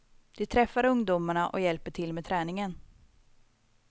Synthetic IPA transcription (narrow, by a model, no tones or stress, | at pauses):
d̪̥ɪt̪ʰɾɛfːaɾɵŋd̪ʊmaɳaʔɔ̰jɛlpəʈʰɪlmɛt̪ʰɾɛːnɪŋən